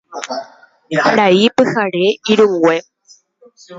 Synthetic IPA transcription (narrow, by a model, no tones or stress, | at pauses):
ɾaipɨhaɾeiɾuŋɡwe